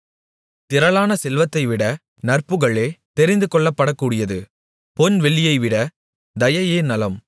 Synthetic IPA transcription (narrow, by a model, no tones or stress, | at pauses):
t̪ɪɾɐlaːnɐsɛlʋɐt̪ːɐɪʋɪɽɐ | nɐrpɯɣɐɭeːt̪ɛɾɪnd̪ɯkɔɭːɐpːɐɽɐkːuːɽɪjɐðɯ | pɔnʋɛɭːɪjɐɪʋɪɽɐ | d̪ɐjɐjeːnɐlɐm